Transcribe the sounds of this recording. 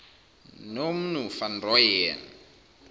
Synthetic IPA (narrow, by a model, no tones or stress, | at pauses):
nom̩nufanrɔjɛn